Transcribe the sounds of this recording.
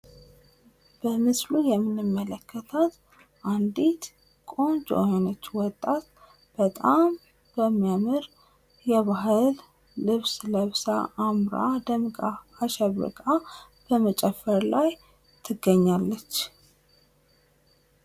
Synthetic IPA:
b̥əmɨslujɛmːɨnɨmːələkʰːət̪ʰat̪ | ʔand̪it̪ | kʼont͡ʃʼo̰honət͡ʃːwɔt̪ʼːat̪ | b̥ət̪ʼam | b̥əmːijamɨɾ | jɛβaɦɨlː | ɨβsləβsa̰ʔːmɾa̰d̪əmkʼaːʃɛβə̰kʼa | b̥əmət͡ʃʼɛfəɾlaj | t̪ʰɨɡːəɲːalːət͡ʃː

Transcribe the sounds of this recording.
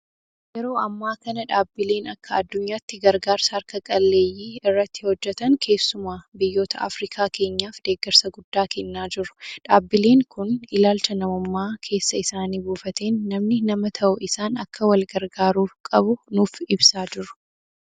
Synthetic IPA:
jɛɾo̞ːɐmːaːkɐnɐᶑaːbːɪle̞ːnɐkːɐɐd̪ːʊɲːaːt̪ːɪɡɐɾɡaːɾsɐɐɾkɐkʼɐlːe̞ːjːiːɪrːɐt̪ːɪhɔd͡ʒːɛt̪ɐŋkʰe̞ːsːʊmaːbɪjːo̞ːt̪ʰɐʔa̰fɾiːkʰaːkʰe̞ːɲːaːfd̪̥e̞ːɡɛɾsɐɡʊd̪ːaːkɛnːaːd͡ʒɪɾʊ̥ᶑaːbːɪle̞ːŋkʊnɪlaːlt͡ʃɐnɐmʊmːaːkʰe̞ːsːɐɪsaːniːbuːfɐt̪e̞ːnːɐmnɪnɐmɐt̪ʰɐʔʊʔɪsaːnɐkːɐwɐlɡɐɾɡaːɾuːfkʼɐbʊnuːfɪbsaːd͡ʒɪɾʊ̥

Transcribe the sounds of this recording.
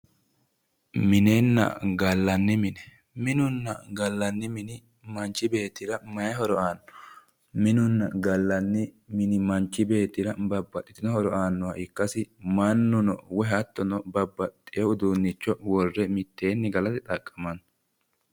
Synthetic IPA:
mɪneːnːɐ̰ɡɐlːɐnːɪmɪnɛ | mɪnʊnːɐ̰ɡɐlːɐnːɪmɪnɪ | mɐnt͡ʃːɪbe̞ːt̪ɪɾɐmɐjɛɦɔɾɔaːnːɔ | mɪnʊnːɐɡɐlːɐnːɪmɪnɪmɐnt͡ʃːɪbe̞ːt̪ɪɾɐbɐbːɐt̪ʼːɪt̪ɪnɔhɔɾɔaːnːʊwaːʔɪkːɐsɪmɐnːʊnɔ̰wɛɦɐt̪ːɔnɔbɐbːɐt̪ʼːɪjɔʊd̪uːnːɪt͡ʃːɔwɔrːɛmɪt̪ːe̞ːnːɪɡɐlɐt̪ɪt̪ʼɐkʼːɐmɐnɔ

